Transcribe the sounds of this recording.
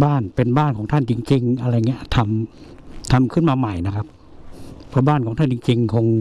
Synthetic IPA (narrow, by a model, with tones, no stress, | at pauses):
baː˥˩npe˧nbaː˥˩nkʰɔː˩˦ŋt̪ʰa˥˨nt͡ɕi˧ŋt͡ɕi˧ŋʔa˧ɾa˧jŋi˧˥ɐt̪ʰa˧m | t̪ʰa˧mkʰɯ˧˥˨nmaː˧ma˨˩jna˧kʰa˧p̚ʰː | ɔ˧baː˥˩˨nkɔː˨˦ŋt̪ʰa˥˨t͡ɕi˧ŋt͡ɕi˧ŋkʰo˧ŋ